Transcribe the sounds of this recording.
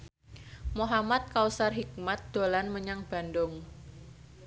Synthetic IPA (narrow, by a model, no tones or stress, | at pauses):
moɦamat̪̚kausarɦik̚mat̪̚d̪̥olanməɲaŋb̥a̤ndʊŋ